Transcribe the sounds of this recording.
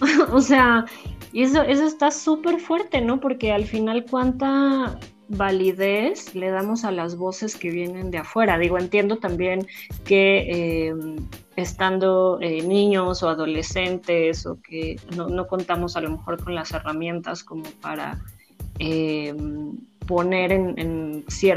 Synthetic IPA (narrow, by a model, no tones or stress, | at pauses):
ose̞aes̬o̞e̞s̬o̞est̪asupe̞ɾfwe̞ɾt̪e̞no̞po̞ɾke̞alfinalkwant̪a | βaliðe̞sle̞ð̞amo̞s̬alazβo̞se̞ske̞β̞je̞nẽ̞nd̪e̞afwe̞ɾaðiɣo̞e̞nt̪je̞nd̪o̞t̪ambje̞nke̞em | est̪and̪o̞enĩɲo̞so̞aðo̞le̞se̞nt̪e̞so̞̰keno̞no̞ko̞nt̪amo̞salo̞me̞xo̞ɾko̞nlase̞ramjẽ̞nt̪asko̞mo̞pa̰ɾa̰ | empo̞ne̞ɾe̞nḛnsje